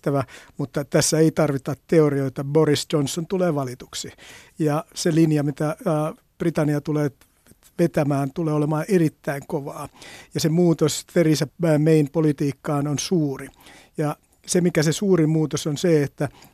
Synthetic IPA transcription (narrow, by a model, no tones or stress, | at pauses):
t̪æʋæmut̪ːɑt̪æsːæeit̪ɑrʋit̪ɑtt̪eorioit̪ɑborisd͡ʒonsːont̪uleːʋɑlit̪u̥ksi | jɑselinjɑmit̪æː | b̥rit̪ɑniɑt̪uleː | ʋet̪æmæːnt̪uleːolemɑːerit̪ːæiŋkoʋɑːjɑsemuːt̪osterisææmeinpolit̪iːkːɑːnonsuːri | jɑ | semikæsesuːrimuːt̪osonseet̪ːæ